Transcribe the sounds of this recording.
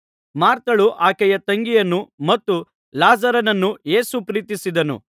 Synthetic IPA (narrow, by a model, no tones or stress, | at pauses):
maːɾt̪ɐɭuʔaːkɛjɐt̪ɐŋɡijɐnːumɐt̪ːu | laːzɐɾɐnɐnːuje̞ːsupɾiːt̪isid̪ɐnṵ